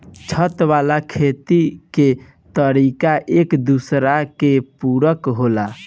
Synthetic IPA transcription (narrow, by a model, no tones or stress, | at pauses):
t͡ʃʰət̪ʋalakʰet̪ike | t̪əɾikaʔekd̪usɾakepuɾəkɦola